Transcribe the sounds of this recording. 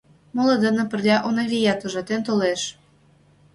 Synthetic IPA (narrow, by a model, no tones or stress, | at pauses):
molɤ̆d̪ɤ̆nɤ̆pə̆rlʲɑʔonɑvʲijɑt̪uʒɑt̪ent̪oleʃ